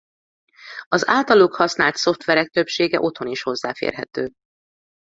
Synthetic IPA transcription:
ɒzaːlt̪ɒloːkhɒsnaːlt̪so̞ft̪ʋɛɾɛk̚t̪øpʃeːɡɛʔo̞t̪ho̞niʃho̞zːa̰ːfḛːrɦɛ̰t̪øː

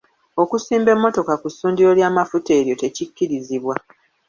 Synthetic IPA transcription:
o̞kusiːmbe̞mːo̞to̞kakusuːndio̞ljaːmafute̞ːɾjo̞te̞cikːiɾiziβwa

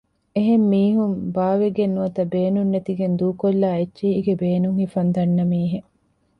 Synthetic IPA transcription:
eɦemːiːɦumbaːʋeɡenːuɐt̪ɐbeːnunːet̪iɡend̪uːkolːaːet͡ʃːʃiːiɡebeːnuŋhifɐnd̪ɐnːɐmiːɦe

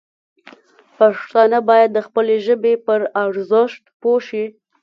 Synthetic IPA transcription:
paʂt̪ɑnəbɑjad̪ːəxpəleʒəbepəɾaɽzəʃt̪poʃi

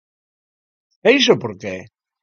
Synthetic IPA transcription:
eis̬opoɾke

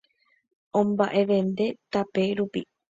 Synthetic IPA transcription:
õmbaʔe̞ʋẽ̞nd̪e̞t̪ape̞ɾupi

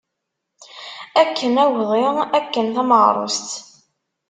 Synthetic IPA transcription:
ækːənæwðˤiʁækːənθæməʁɾˤo̰st̪

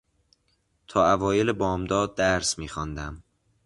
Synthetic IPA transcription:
t̪ʰɒːævɒːjelebɒːmd̪ɒːd̪̚ːæɾsmiːxɒnd̪æm

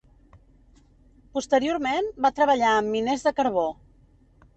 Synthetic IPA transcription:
pust̪əɾioɾmembat̪ɾəβəʎaəmːinezðəkəɾβ̞o

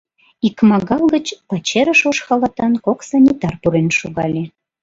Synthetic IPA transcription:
ikmɑɣɑlɣət͡ɕpɑt͡ɕeɾəʃoʃxɑlɑt̪ɑnkoksɑnʲit̪ɑrpuɾenʃuɣɑlʲe

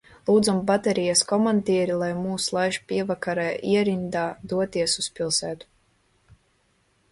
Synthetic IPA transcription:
lˠuːd̪zambat̪ɛɾijaskɔmand̪ʲiɛɾilˠajmuːslˠajʃpʲiɛvakaɾajʔiɛɾind̪aːd̪uɔt̪iɛsuspʲilˠsæːt̪u̥

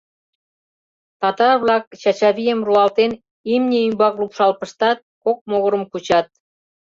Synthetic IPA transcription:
t̪ɑt̪ɑrβlɑkt͡ɕɑt͡ɕɑβijəmruɑlt̪en | imnʲeymbɑklupʃɑlpə̆ʃt̪ɑt̪̚kok̚moɣəɾə̆mkut͡ɕɑt̪̚

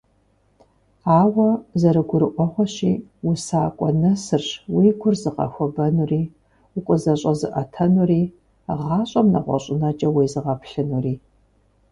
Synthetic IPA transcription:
aːwɐzɐɾɨɡʷʊɾɨʔʷɔχʷɔɕiːwusaːkʷʼɔnɐsɨrɕwiːɡʷʊrzɨqɐ̰xʷɔbɐnuriː | ʊkʷʼɔzɐɕʼɐzɨ̰ʔɐtʰɐnuriː | ʁɑːɕʼɐmnɐ̰ʁʷɔ̰ɕʼɪnɐt͡ʃʼɐwiːzɨʁɐpɬɨnuriː

